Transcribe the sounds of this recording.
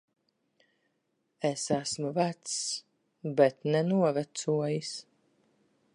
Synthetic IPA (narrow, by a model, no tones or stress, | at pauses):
ɛsæsmuvæt̪s | bɛt̪nɛnuɔvæt̪suɔjis